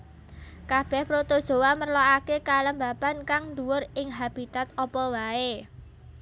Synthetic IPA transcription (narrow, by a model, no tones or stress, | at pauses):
kab̥ɛhpɾot̪od̥ʒ̥o̤wamərloakekaləmbapankaŋɳd̪uwʊrɪŋɦab̥it̪at̪̚ɔpɔwae